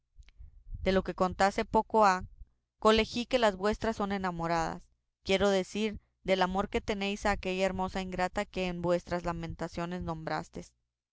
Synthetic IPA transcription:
d̪̥e̞lo̞ke̞ko̞nt̪ase̞po̞ko̞a | ko̞le̞xike̞lazβwe̞st̪ɾasːo̞ne̞namo̞ɾaða̰s | kje̞ɾo̞ðe̞siɾ | ðe̞lamo̞ɾke̞t̪e̞ne̞jsaːke̞ʝaeɾmo̞saiŋɡɾat̪ake̞ːnbwe̞st̪ɾazlamẽ̞nt̪asjo̞ne̞znõ̞mbɾa̰st̪e̞s

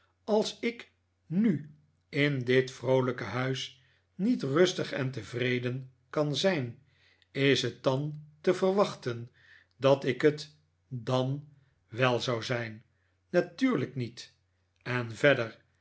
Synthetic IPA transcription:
ɑlˠsɪk | ny | ɪndɪtfrowləkəɦœɥs | nitrɵstəχɛ̰ntəvrejdən | kɑnzɛjn | ɪsɦət̚dɑntəvərʋɑχtən | dɑtɪkət | dɑn | ʋɛlˠzɑwzɛjnː | atyːɹləknit | ɛnvɛdər

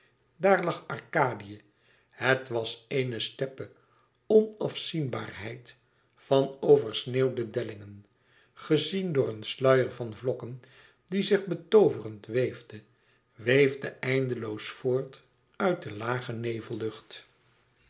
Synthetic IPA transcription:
daːɹlɑχɑɹkaːdijə | hətʋɑsejnəstɛpə | ɔnɑfsinba̰ːɹɦɛjt | fɑnowvəɹsneːwdədɛlɪŋən | χəzindʊːɹənslœɥəɹvɑnvlɔkən | dizɪχbətowvərəntʋejvdə | ʋejvdəʔɛjndəlowsfʊːɹt | œɥt̚dəlaːχənejvəlˠɵχt

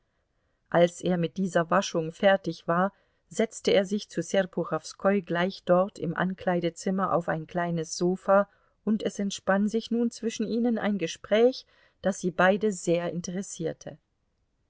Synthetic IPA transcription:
ʔalsʔeːɐmɪt̚d̥iːzɐvaʃʊŋfɛɐtɪçv̥aːɐ | zɛt͡stəeːɐzɪçt͡susɛʁpʰuʁafskʰɔʏɡlaɪçd̥ɔɐtʰɪmʔa̰nkl̥aɪdət͡sɪmɐʔa̰ʊfa̰ɪnkl̥aɪnəsz̥oːfa | ʔʊntɛsɛntʃpanzɪçnuːnt͡sv̥ɪʃn̩iːnəna̰ɪnɡəʃpʁ̥ɛːç | d̥asz̥iːbaɪdəzeːɐɪntəʁɛsiːɐtʰə

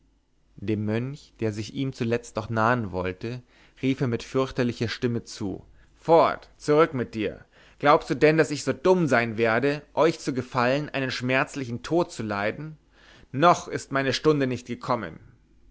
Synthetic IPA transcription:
d̥eːmːœnçd̥eːɐzɪçiːmt͡sulɛt͡st̚nɔχnaːənvɔltə | ʁiːfeːɐmɪtfʏɐçtɐlɪçɐʃtɪmət͡sṵː | fɔɐtt͡suʁʏkmɪt̚d̥iːɐ | ɡ̥laʊpstd̥uːdɛndasɪçz̥oːdʊmzaɪnveːɐdəʔɔʏçt͡suɡəfalənʔaɪnənʃmɛɐt͡slɪçn̩tʰoːt̚t͡sulaɪdn̩ː | ɔχɪstmaɪnəʃtʊndənɪçt̚ɡ̥əkʰɔmə̰n

